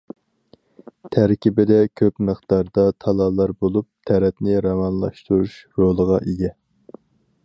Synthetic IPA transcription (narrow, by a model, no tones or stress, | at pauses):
t̪ʰæɾkʲibɪd̪ɛkʲʰøpməχt̪ɑɾd̪ɑt̪ʰɑlˠɑlˠɑɾbolˠup̚t̪ʰɛɾɛtnɪɾɑmɑnlˠɑ̰ʃt̪uɾuʃɾolˠəʁɑʔeɡʲɛ